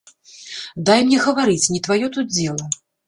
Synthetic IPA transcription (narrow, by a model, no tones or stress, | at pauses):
d̪ajmnʲɛɣɐvaɾɨt͡sʲnʲit̪vajɔt̪ud̪d͡zʲɛlˠɐ